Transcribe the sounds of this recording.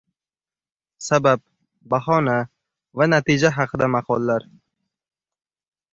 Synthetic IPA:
sabab̚ | baɦɒna | vanat̪ʰid͡ʒaɦɑqʰɨd̪amaqʰɒlˠːaɾ

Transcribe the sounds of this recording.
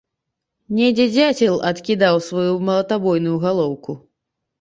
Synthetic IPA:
nʲɛd͡zʲɛd͡zʲat͡sʲɛlʲˠɐt̪kʲid̪awsvajumɐlˠɐt̪abɔjnujuɣalˠɔwku

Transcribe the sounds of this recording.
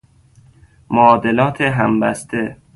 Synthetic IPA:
moːd̪e̞lɒːt̪ʰeɦæmbæst̪ʰe

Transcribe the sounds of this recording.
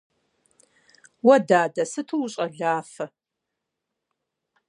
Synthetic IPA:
wɐdaːdɐsɨtʰuwɕʼɐɮaːfɐ

